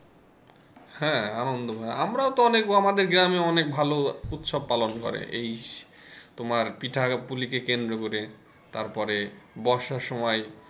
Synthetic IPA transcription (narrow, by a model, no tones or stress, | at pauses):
hɛ̃anond̪obʱaamɾaot̪oɔnekamad̪eɾɡɾameɔnek̚bʱalout̪ʃob̚palonkɔ̰ɾḛʔej | t̪omaɾpiʈʰapulikekend̪ɾokoɾe | t̪aɾpɔɾebɔʃaʃɔmɔj